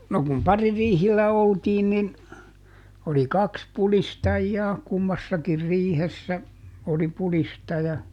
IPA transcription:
no kum pɑririːhilːæ oltiːn nin oli kɑks pulistɑjːɑː kumːɑsːɑkir riːhesːæ oli pulistɑjɑ

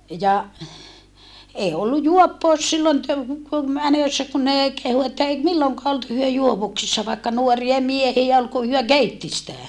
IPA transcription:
jɑ eː olːu juopːoˑus silːon tø ku mænøsːæ kun neˑ kehu etːæ eˑi milːoŋkɑː olt hyø juoʋuksisːɑ ʋɑikːɑ nuoriɑ miehie ol ku hyø keitːi sitæ

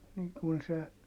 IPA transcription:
niːŋ kun se

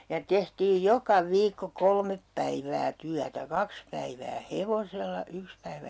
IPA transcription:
jɑ tehtiːj jokɑ ʋiːkːo kolmep pæiʋæː tyætæ kɑks pæiʋæː heʋoselːɑ yks pæiʋæ

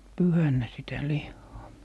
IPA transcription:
pyhænːæ sitæ lihːɑː

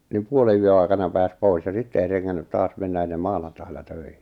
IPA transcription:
nim puoleyø ɑi̞kɑnɑ pæːs pois jɑ sitːe ei reŋːænːyt tɑːs menːæ enːem mɑːnɑntɑilɑ tøihi̥

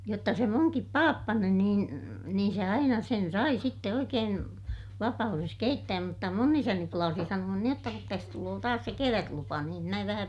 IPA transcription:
jotːɑ se muŋkip pɑːpːɑni niːn niːn̞ se ɑinɑ sen sɑi sitːe oikeːn ʋɑpɑures keitːæːm mutːɑ mun isæni plɑːsi sɑnuɑn niːj jotːɑ kut tæs tuloː tɑːs se keʋætlupɑ niːm mæ ʋæhæ

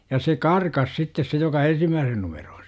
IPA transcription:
jɑ se kɑrkɑs sitːes se jokɑ ensimːæːsen numer̥o̥ː

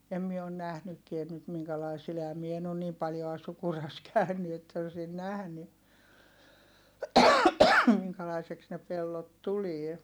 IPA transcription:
em mie on næhnykːien nyt miŋkælɑi sil ehæm mie en on niːm pɑljoɑ sukurɑs kæˑyny etːæ osin næhny miŋkælɑiseks ne pelːot tulie

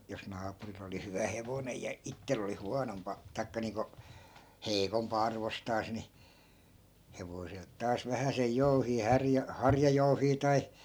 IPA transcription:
jos nɑːpuril oli hyʋæ heʋonej jɑ itːel oli huɑnompɑ tɑi̯kːɑ niːŋko heikompɑ ɑrʋostɑːs ni heʋoselt tɑːs ʋæhæsej jouhiː hærjæ hɑrjɑjouhiː tɑi

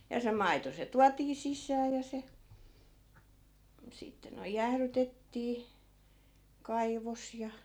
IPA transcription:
jɑ se mɑito se tuɑtiː sisˑæː jɑ se sitːe noi̯j jæhrytetːiː kɑiʋos jɑ

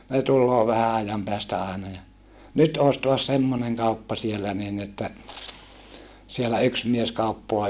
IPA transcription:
ne tulːoː ʋæhæ ɑjɑm peæstæ ɑˑenɑ jɑ nyt oːs toɑs semːoneŋ kɑupːɑ sielːæ niːn etːæ sielæ yks mies kɑupːoɑ

